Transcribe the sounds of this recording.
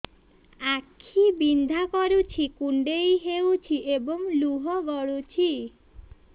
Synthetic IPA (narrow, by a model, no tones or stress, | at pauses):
akʰibind̪ʱakɔɾut͡ʃʰikuɳɖejɦewt͡ʃʰiʔebɔŋluɦɔɡɔɭut͡ʃʰi